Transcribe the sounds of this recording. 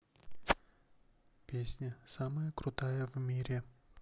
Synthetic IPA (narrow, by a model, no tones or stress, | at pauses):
pʲesʲnʲəsaməjəkɾʊt̪ajəvmʲiɾʲɪ